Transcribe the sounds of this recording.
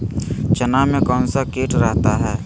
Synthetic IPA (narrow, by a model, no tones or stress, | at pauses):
t͡ʃənamẽkɔːnsakeːʈɾəɦt̪aɦɛː